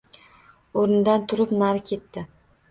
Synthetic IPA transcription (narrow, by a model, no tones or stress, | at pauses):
oɾɪnd̪ant̪ʰʊɾɪpnaɾkʲʰe̞t̪ːɪ